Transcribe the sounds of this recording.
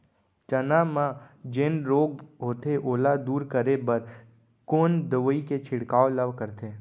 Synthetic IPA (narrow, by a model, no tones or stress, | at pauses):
t͡ʃənamãd͡ʒeːnɾoːɡɦoːt̪eʔoːlad̪uːɾkəɾebəɾ | koːnd̪əʋəiket͡ʃʰɪɽkaːoləʋkəɾt̪eː